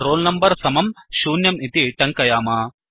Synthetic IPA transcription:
ɾoːlnɐmbɐɾsɐmɐmʃuːnjɐmit̪iʈɐŋkɐjaːmaː

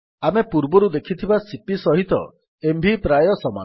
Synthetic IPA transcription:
amepuɾbɔɾud̪ekʰit̪ʰibasipisɔɦit̪ɔ̰ | embʱipɾajɔsɔma̰n

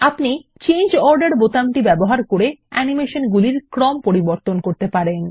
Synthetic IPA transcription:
apnit͡ɕend͡ʑɔɾɖaɾbot̪amʈibɛboɦaɾkoɾeɛnimeʃonɡuliɾkɾɔmpoɾiboɾt̪onkoɾt̪epaɾen

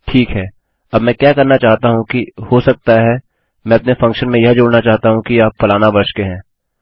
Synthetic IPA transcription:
ʈʰiːkɦɛː | ɐbmɛ̃ːkjaːkɐɾnat͡ʃaːɦt̪aɦũkihosɐk̚t̪aɦɛ | mɛ̃ɐpnefɐ̃ŋkʃənmẽjɐɦd͡ʒoːɽnat͡ʃaːɦt̪aɦũkiaːpfɐlaːnabɐʃkeɦɛ̃ː

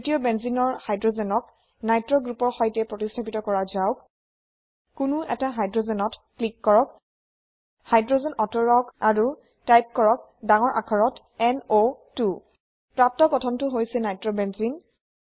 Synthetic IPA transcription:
tiɔbɛnzinɔɹhajdɹozɛnɔk̚ | najtɹɔɡɹupɔɹxɔjtɛpɹotistʰapitɔkɔɹazaʊk | kːʊnuʔɛ̰taɦajdɹozɛnɔtklikːɔɹɔk | hajdɹozɛnɔtɔɹɔkaɹu | tajp̚kɔɹɔk̚ | daŋɔɹʔa̰kʰɔɹɔt | ɛnotu | pɹap̚tɔkɔtʰɔntʊɦojsɛnajtɹɔbɛnzin

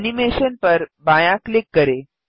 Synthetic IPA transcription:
nimeɕənpəɾbãjãklikːəɾe

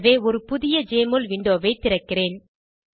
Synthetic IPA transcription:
ʋeːɔɾɯpʊðɪjɐd͡ʒeːmolʋɪɳɖoːʋɐɪt̪ːɪɾɐkːɪreːn

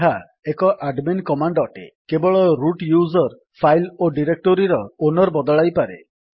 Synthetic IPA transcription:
ɦa | ekɔʔaɖmenkɔmaɳɖɔʈḛkebɔɭɔɾuʈjuzɔɾ | pʰajloɖiɾek̚ʈoɾiɾɔonɔɾbɔd̪ɔɭajpaɾe

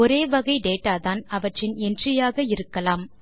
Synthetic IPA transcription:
ɔɾeːʋɐɣɐɪɖeːʈːaːðaːnɐʋɐʈrɪnɛndrɪjaːɣɐɪɾɯkːɐlaːm

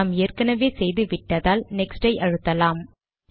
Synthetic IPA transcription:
aːmeːrkɐnɐʋeːsɛjðɯʋɪʈːɐðaːlnɛksɖɐɪʔɐɻɯt̪ːɐlaːm

